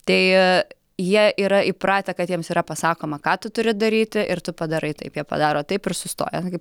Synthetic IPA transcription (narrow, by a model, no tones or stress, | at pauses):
t̪ɐɪ | jiɛʔiːɾɐɪpɾɑːt̪ʲɛkɐt̪jiɛmsiːɾɐpɐsɑːkoːmɐkɑːt̪ʊt̪ʊɾʲɪd̪ɐɾʲiːt̪ʲɪʔɪrt̪ʊpɐd̪ɐɾɐɪt̪ɐɪpjiɛpɐ̰d̪ɑːɾoːt̪ɐɪpɪrsʊst̪o̰ːjɛnkɐɪp